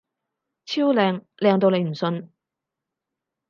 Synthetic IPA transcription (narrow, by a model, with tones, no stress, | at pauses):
t͡sʰiː˥wlɛː˧ŋlɛː˨˧ŋt̪o˧wne˨˧jm̩˨˩sɵ˧n